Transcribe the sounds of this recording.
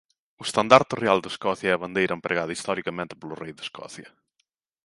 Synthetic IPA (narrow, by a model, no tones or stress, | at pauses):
ʊest̪ɐnd̪aɾt̪ɪrealˠd̪ɪeskɔθjɐɛɐβɐ̃nd̪ejɾʔɐempɾʔeɣaðɐist̪ɔɾikɐmẽnt̪ɪ̥pelʊrejðɪskɔ̰θjɐ